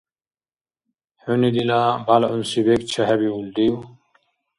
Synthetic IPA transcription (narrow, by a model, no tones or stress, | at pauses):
hunid̪ilabalunsibek̚t͡ɕʰaɦabiuld̪iw